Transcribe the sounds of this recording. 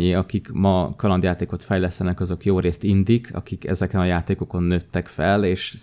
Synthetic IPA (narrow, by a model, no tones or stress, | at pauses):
eːɒkikmɒkɒlɒnd̪jaːt̪eːko̞t̪fɛjlɛst̪ɛnɛkɒzo̞kjoːɾeːst̪ind̪ikʰɒ̰kikɛ̰zɛkɛnɒjaːt̪eːko̞ko̞nːøːt̪ːɛkfɛleːʃ